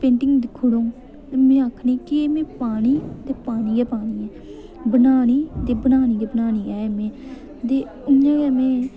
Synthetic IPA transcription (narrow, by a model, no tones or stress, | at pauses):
pẽːɳʈɪŋɡd̪ɪkʰːʊɽõː | t̪emẽːaːkʰniːkɪeːmẽːpaːñiːt̪eːpaːɽ̃iːɛːpaːɽiːɛː | bənaːniːt̪eːbənaːñiːɡeːbənaːñiːɛːmẽː | d̪eː | ʊɲãːɡɛːmẽː